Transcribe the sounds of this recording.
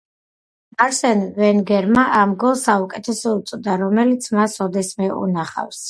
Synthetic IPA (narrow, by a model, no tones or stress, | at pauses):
aɾsɛnvɛnɡɛɾmaʔamɡɔlˠsaukʼɛt̪ʰɛsɔut̪sʼɔd̪aɾɔmɛlit̪sʰmasɔd̪ɛsmɛṵnaχa̰fs